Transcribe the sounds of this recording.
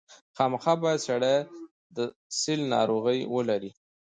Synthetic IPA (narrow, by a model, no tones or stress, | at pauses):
xɑməxɑbɑjad̪saɽaj | d̪ə | sɪlnɑ̰ɾoɣəjwəlaɾi